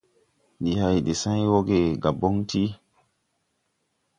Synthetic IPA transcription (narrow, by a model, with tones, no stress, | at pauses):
di˨ha˨jde˨sã˦jwo˦ɡe˨ɡa˨bo˦ŋti˦